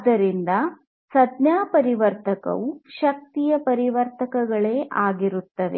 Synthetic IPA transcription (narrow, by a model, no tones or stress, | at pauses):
ɐd̪ɐɾind̪ɐ | sɐd̪njaːpɐɾiʋɐɾt̪ɐkɐ̰ʋuʃɐk̚t̪ijɐpɐɾiʋɐɾt̪ɐkɐɡɐɭe̞ːʔaːɡiɾut̪ːɐʋ̪e̞̰